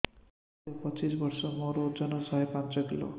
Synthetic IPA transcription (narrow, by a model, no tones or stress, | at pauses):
opʌt͡ʃisbʌɾsɔmoɾod͡ʒʌnɔsʌɦepãnt͡ʃɔkilo̰